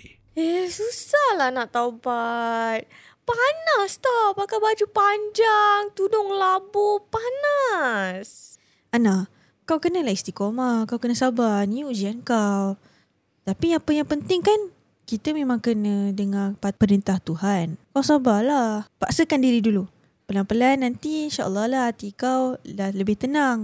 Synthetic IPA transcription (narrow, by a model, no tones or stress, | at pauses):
esusahlanaʔt̪awbat̪̚ | panast̪ɔpakawbad͡ʒupaɲd͡ʒaŋt̪udʊŋlabupanas | ana | kawkənəlahist̪ikomakawkənəsabanĩud͡ʒiankaw | t̪apiapəjaŋpənt̪ɪŋkan | kit̪əmemãŋkənədəŋapapəɾint̪aht̪uɦankawsabalahpaʔsəkandiɾidulu | pəlaŋpəlanːant̪iinʃaʔə̰lˠːɑhlat̪ikawlaləbɪht̪ənaŋ